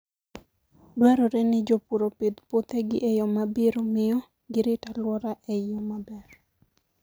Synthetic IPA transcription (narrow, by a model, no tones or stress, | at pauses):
baɾɔɾɛnɪd͡ʒopuɾoped̪pot̪eɡɪʔejɔmabiɾomɪɔ | ɡɪɾɪtalwɔɾaʔejomabɛr